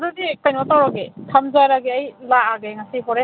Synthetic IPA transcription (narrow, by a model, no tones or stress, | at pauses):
dudikajnɔtawɾaɡekʰamzaɾaɡeɐjlaːɡeŋasiɦɔɾe